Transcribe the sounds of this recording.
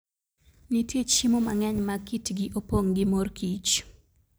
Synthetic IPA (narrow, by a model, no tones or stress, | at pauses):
nɪtjet͡ʃimoma̰ŋɛɲmakitɡɪʔopoŋɡɪmorkit͡ʃ